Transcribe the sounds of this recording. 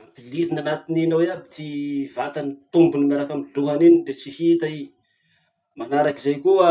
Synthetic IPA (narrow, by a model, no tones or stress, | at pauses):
abililinanat̪ininawiabit̪ivat̪anit̪umbunimaɾakamiɮuɦaniniɖ͡ʐet͡sihit̪ai | manaɾakizajkuə